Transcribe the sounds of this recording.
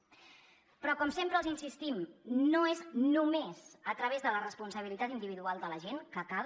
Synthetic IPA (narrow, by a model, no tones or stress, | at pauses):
pɾɔkɔmsempɾəlˠzinsist̪imnoeznumezət̪ɾəβ̞ezðələrəspunsəβilit̪at̪ind̪iβiðualˠd̪ələʒenkəkað